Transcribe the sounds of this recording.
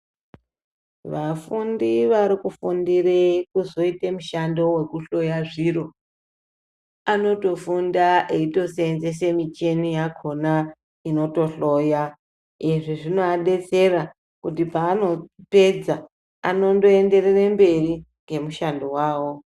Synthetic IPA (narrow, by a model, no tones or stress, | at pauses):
ʋafundiʋaɾikufundirekuzo̞itemuʃando̞we̞kuɬo̞jaʐiro̞ | ano̞to̞fundaʔeito̞seenzes̬emit͡ʃe̞nijakʰo̞na | ino̞to̞ɬo̞ja | eʐiʐinoaɗe̞t͡se̞ra | kutipaːno̞pe̞d͡za | a̰no̞ndo̞e̞nde̞rerembe̞ri | ŋɡe̞muʃandowaːwo̞